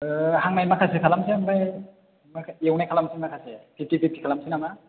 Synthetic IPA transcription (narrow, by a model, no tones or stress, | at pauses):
haŋnajmakʰasekʰalamsiamba | makʰaewnajkʰalamsinmakʰasepʰitipip̚kʰi̥kʰalamsinama